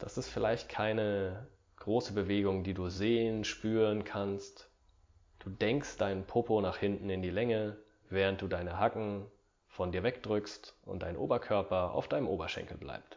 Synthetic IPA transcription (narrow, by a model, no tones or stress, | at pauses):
d̥asɪstfɪlaɪçt̚kʰaɪnə | ɡ̥ʁoːsəbəveːɡʊŋdiːduːzeːənʃpyːʁənkʰanst | d̥uːdɛŋkstd̥aɪnənpʰʊpʰonaːχhɪntn̩ɪndiːlɛŋə | vɛːʁ̞ənt̚d̥uːdaɪnəɦakŋ̩ | fɔndiːɐvɛkd̥ʁʏkstʔʊ̰ntd̥aɪnʔo̰ːbɐkʰœɐpɐʔa̰ʊfd̥aɪnəmʔoːbɐʃɛ̰̃ŋkl̩bla̰ɪpst